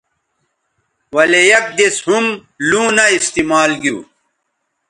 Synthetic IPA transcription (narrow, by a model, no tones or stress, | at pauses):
wɐlejɐk̚d̪eshum | lũːnɐist̪imaːlɡiṵː